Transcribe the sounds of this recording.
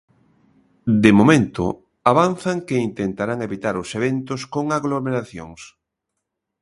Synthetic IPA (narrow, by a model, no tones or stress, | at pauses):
d̪emomẽnt̪ʊ̰ | aβan̟θaŋkeint̪ent̪aɾaŋeβit̪aɾʊseβent̪ʊskoŋaɣlomeɾaθjo̰ŋs